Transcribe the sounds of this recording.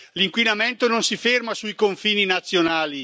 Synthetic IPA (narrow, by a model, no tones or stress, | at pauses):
liŋkwinament̪ononsifermasuikoɱfiːninat̪sːjonaːli